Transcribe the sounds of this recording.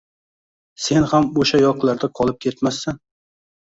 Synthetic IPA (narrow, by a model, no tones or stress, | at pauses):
se̞nhamoʃajɒqlˠaɾd̪aqʰɒlˠɪp̚kʲʰe̞t̪masːan